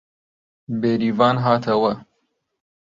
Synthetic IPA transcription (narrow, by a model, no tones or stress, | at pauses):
beːɾivɑːnɦɑːt̪ʰɐwɐ